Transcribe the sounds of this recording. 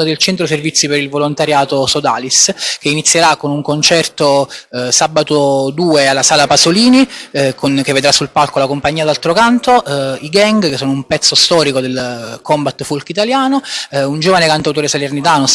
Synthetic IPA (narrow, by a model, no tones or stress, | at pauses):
ad̪elt͡ʃɛnt̪ɾoservit̪sːipeɾilvolont̪aɾjaːt̪osod̪aːlisk̟einit̪sjeɾakːonuŋkont͡ʃɛrt̪osabat̪od̪uːealːasaːlapazoliːnikʰonkevːed̪ɾasːulpalkolakompaɲːiad̪alt̪ɾokant̪oʔiɡaŋɡkesːoːnoumpɛt̪sːost̪ɔːɾikod̪elkɔmbat̪ːfulkit̪aljaːnound͡ʒoːvanekant̪awt̪oːɾesalernit̪aːno